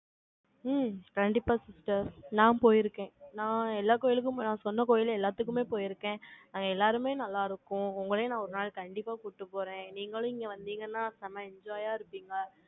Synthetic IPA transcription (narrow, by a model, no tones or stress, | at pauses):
kɐɳɖɪpːaːsɪsʈɐɾnãːpoːjɪɾɯkːẽːnãːɛlːaːkoːjɪlɯk̬ːɯ̃nãːsɔnːɐkoːjɪlɛlːaːt̪ːɯkːɯmeːpoːjɪɾɯkːẽːnaːŋɡɐɛlːaːɾɯmeːnɐlːaːɪɾɯkːʊ̃ʊŋɡɐɭenãːɔɾɯnaːɭkɐɳɖɪpːaːkʊʈːɯpːoːɾẽːniːŋɡɐɭʊ̃ɪŋɡeʋɐnd̪iːŋɡɐnːaːsɐmɐɛɲd͡ʒaːjaːɪɾɯpːiːŋɡɐ